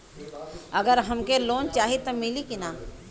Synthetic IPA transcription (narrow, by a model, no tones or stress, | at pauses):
ɐɡəɾɦɐmkeloːnt͡ʃaːɦit̪ɐmilikinaː